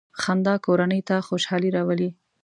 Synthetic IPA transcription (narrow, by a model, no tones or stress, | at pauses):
xand̪ɑkoɾanəjt̪axoʃɑliɾɑwəli